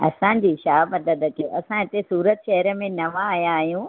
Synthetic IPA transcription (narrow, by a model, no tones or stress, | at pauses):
ɐ̰sãd͡ʑiːʃaːbɐd̪əd̪əkiʔɐsãɦɪt̪esuːɾət̪ʃɛɦɾə̆mẽnɐʋãːɦjãːɦijũ